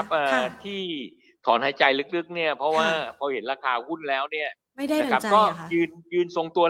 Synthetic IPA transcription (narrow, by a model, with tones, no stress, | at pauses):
p̚ʔaː˨˩t̪ʰiː˥˩ | t̪ʰɔ̰ː˩˦nha˨˩˦jt͡ɕa˧jlɯ˦˥k̚lɯ˦˥k̚ni˥˩ɐpʰɾɔ˦˥waː˥˩pʰɔː˧he˩˦nɾaː˧kʰaː˧hu˥˩nlɛː˦˥wni˥˩ɐ | m˥a˧˩a˦˥kɔː˥˩jɯː˧njɯː˧nso˧ŋt̪u˧ɐ